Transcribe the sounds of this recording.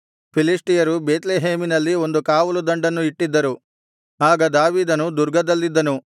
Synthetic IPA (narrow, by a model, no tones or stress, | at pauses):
pʰiliʂʈijɐɾubeːt̪leːɦeːminɐlːio̞nd̪ukaːʋɐlud̪ɐɳɖɐnːuiʈːid̪ːɐɾu | aːɡɐd̪aːʋiːd̪ɐnud̪uɾɡʱɐd̪ɐlːid̪ːɐnu